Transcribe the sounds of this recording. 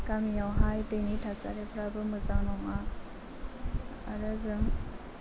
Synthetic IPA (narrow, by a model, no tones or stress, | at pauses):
kamijawɦajtenitʰasa̰ɾepʰɾabɯmɯzaŋnɔŋa | a̰ɾɯzɯm